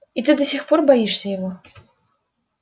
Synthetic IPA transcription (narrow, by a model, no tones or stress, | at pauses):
it̪ɨd̪ɐsʲixpɔrbajiʂsʲɐjaɣɔ